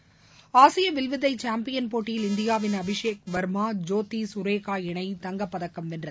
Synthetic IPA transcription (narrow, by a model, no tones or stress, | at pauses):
aːsɪjɐʋɪlʋɪðɐɪt͡ʃaːmpɪjɐnpoːʈːɪjɪlɪnd̪ɪjaːʋɪnɐbɪʂeːk̚ʋɐɾmaːd͡ʒoːt̪ːisʊɾeːkaːɪɳɐɪt̪ɐŋɡɐpːɐðɐkːɐmɛndrɐð